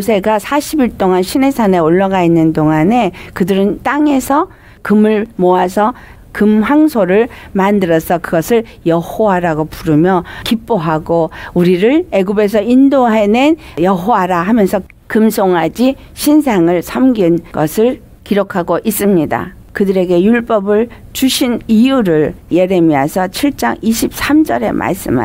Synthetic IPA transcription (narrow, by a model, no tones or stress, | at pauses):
sʰe̞ɡasʰaɕʰibiɭt͈oŋanɕʰine̞sʰane̞oɭːaɡainːɯndoŋane̞kɯdɯɾɯnt͈aŋe̞sʰʌ | kɯmɯɭmoasʰʌ | kɯmɦwaŋsʰoɾɯɭmandɯɾʌsʰʌkɯɡʌsʰɯɭ | jʌhoaɾaɡopuɾɯmjʌkip͈oɦaɡouɾiɾɯɭe̞ɡube̞s̬ʰʌindoɦe̞nen | jʌɦoaɾaɦamjʌnsʰʌ | kɯmsʰoŋɦad͡ʑi | ɕʰinsʰaŋɯɭsʰʌmɡinɡʌsʰɯɭ | kiɾokʰaɡoʔis͈ɯmɲida̰ | kɯdɯɾe̞ɡe̞juɭp͈ʌbɯɭt͡ɕuɕʰinijuɾɯɭje̞ɾe̞miasʰʌt͡ɕʰiɭt͡ɕ͈a̰ŋiɕʰip̚s͈amd͡ʑʌɾe̞̰mʔa̰ɭs͈ɯ̰ma̰